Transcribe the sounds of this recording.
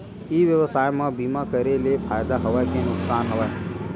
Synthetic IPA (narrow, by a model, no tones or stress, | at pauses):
iːʋjəʋəsaːjmãbiːmakəɾelepʰaːjd̪aɦɐʋajkenʊksaːnɦəʋa